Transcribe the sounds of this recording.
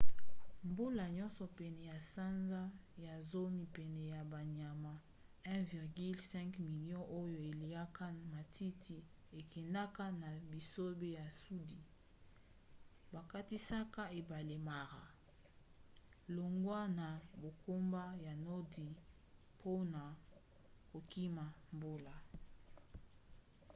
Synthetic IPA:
mbo˦la˨ɲɔ̃˦nsɔ˨pɛ˨nɛ˨ja˨sa˦nza˦ja˨zo˦mi˨pɛ˨nɛ˨ja˨ba˨ɲa˨ma˨ | ɛ̃˦vi˨ʁɡi˦lsɛ̃˦ŋkmi˨ljɔ̃˦ʔo˦jo˨e˨li˨a˦ka˦ma˨tʰi˦tʰi˨e˨kɛ˨nda˦ka˦na˨bi˨so˦be˦ja˨su˦di˨ | ba˨ka˦ti˦sa˦ka˦e˨ba˨le˨ma˨ʁa˨ | lo˨ŋɡwa˦na˨bo˨ko˦mba˦ja˨nɔ˦di˨ | pʰo˦na˨ | ko˨ki˦ma˨mbo˦la˨

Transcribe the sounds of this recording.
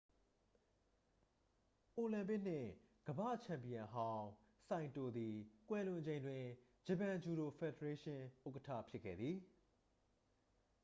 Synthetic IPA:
ʔo˨lã˨mpɪ˦ʔn̥ɪ̰̃˦˨ | ɡ̥əbä̰˦˨t͡ɕʰã˨mpi˨ã˨ɦã˦ʊ̃ | sã˨ɪ̃nto˨d̪i˨kwɛ˨lʊ̃˨d͡ʑẽ˨ɪ̃ndwɪ̃˨ | d͡ʑə˨pã˨d͡ʑu˨ɾo˨fʰɛ˨də˨ɹe˦ʃɪ̃˦ʔo˦ʊkətʰa̰˦˨pʰjɪ˦kʰːɛ̰˦˨d̪ði˨

